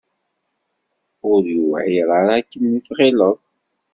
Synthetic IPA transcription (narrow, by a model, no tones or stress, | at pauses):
ʊɾjuvæʕiɾˤɑɾækːənːiθʁeləðˤ